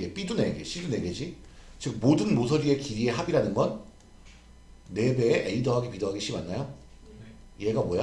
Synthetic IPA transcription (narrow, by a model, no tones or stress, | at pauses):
ɡe̞p͈idune̞ɡeɕ͈ʰidune̞ɡed͡ʑit͡ɕɯk̚modɯnmos̬ʰʌɾie̞kiɾie̞ɦabiɾanɯnɡʌn | e̞be̞ːʔeidoɦaɡepidoɦaɡeɕ͈imanːajo | ije̞ɡamwoja